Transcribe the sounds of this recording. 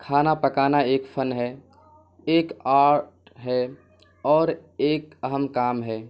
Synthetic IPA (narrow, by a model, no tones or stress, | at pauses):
kʰaːnapəkaːnaeːkpʰənɦɛ | eːkaːɾʈɦɛ | ɔːɾeːkəɦəmkaːmɦɛː